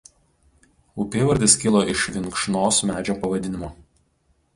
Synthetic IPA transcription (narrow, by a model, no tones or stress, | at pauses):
ʊpʲeːʋɐɾʲd̪ʲɪskʲɪlˠoːʔɪʃʋʲɪŋˑkʃnoːsmʲæːd͡ʒʲoːpɐʋɐd̪ʲɪnʲɪmoː